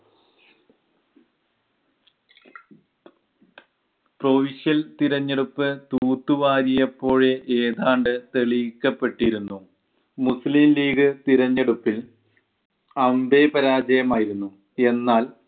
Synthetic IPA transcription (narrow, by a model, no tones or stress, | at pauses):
pro̞ʋiʂjɐlt̪iɾɐɲːeɽupːɨt̪uːt̪ːuʋaːɾijɐpːo̞ːɻeʔeːðaːɳɖɨt̪eɭikːɐpːe̞ʈːiɾunːu | muslimliːɡɨt̪iɾɐɲːeɽupːil | ɐmbe̞ːpɐɾaːd͡ʑɐjɐmaːjiɾunːu | e̞nːaːl